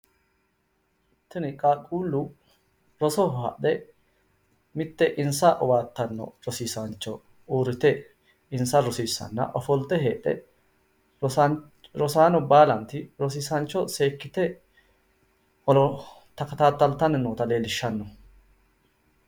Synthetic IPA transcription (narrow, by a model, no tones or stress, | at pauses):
t̪ːɪnɪkʼaːkʼuːlːʊ | ɾɔsɔhɐa̰ɗɛ | mɪt̪ːɛʔɪnsɐʔɔwaːt̪ːɐnːɔ̰ɾɔsiːsɐnt͡ʃːɔ | uːɾɪt̪ɛ | ɪnsɐɾɔsiːsːɐ̰nːɐ̰ʔɔfɔlt̪ːɛɦeːᶑɛ̰ | ɾɔsaːnɔbaːlɐnt̪ɪɾɔs̬iːsɐnt͡ʃːɔseːkːɪt̪ɛ | ɔɔ | t̪ɐkɐt̪aːt̪ːɐlt̪ːɐnɪnoːt̪ɐle̞ːlɪʃːɐnːɔ